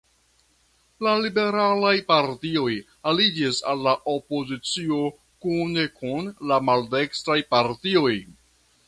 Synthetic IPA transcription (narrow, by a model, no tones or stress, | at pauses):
lalibe̞ɾalajpaɾtio̞j | alid͡ʒisalːaʔopo̞zit͡sio̞ | kune̞kunlamalde̞kstɾajpaɾtio̞j